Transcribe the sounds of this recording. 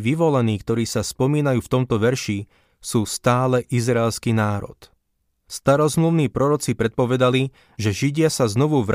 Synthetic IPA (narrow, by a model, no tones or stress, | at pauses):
ʋiʋɔlɛniːkt̪ɔɾiːsaspɔmiːnajuːft̪ɔmt̪ɔʋɛɾʃi | suːst̪aːlɛʔizɾaːlskiːnaːɾɔ̰t̪ | st̪aɾɔzmluʊniːpɾɔɾɔt͡sipɾɛt̪̚pɔʋɛd̪ali | ʒɛʒiɟɪasaznɔʋuʋɾ